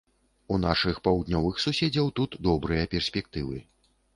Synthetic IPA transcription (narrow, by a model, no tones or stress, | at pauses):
unaʂɨxpawd̪nʲɔvɨxsusʲed͡zʲɐwt̪ut̪d̪ɔbɾɨjɐpʲɛrsʲpʲɛk̚t̪ɨvɨ